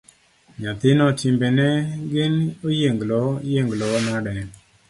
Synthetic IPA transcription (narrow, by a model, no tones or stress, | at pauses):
ɲat̪ɪnɔt͡ʃɪmbɛnɛɡɪnojeŋɡlɔjeŋɡlɔnaɾɛ